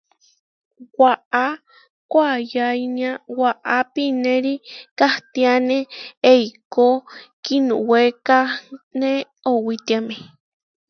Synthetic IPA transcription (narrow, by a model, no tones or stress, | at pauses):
waʔa | kʷajajniãwaʔapinẽɾikaht̪ianeejkokinuwekane | owit̪iame